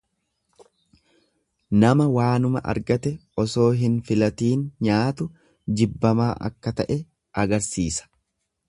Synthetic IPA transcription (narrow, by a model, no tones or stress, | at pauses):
nɐmɐwaːnʊmɐʔɐ̰ɾɡɐt̪ɛɔso̞ːɦɪnfɪlɐt̪iːnɲaːt̪ʊ | d͡ʒɪbːɐmaːʔɐ̰kːɐt̪ɐʔɛ | ʔɐɡɐɾsiːsɐ̥